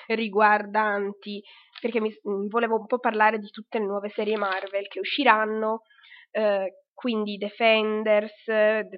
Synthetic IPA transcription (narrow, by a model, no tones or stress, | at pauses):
riɡward̪ant̪i | perk̟emːivoleːvoumpɔpːarlaːɾed̪it̪ut̪ːelenwɔːvesɛːɾjemarvelkeuʃːiɾanːo | kwind̪id̪efɛnd̪ersd̪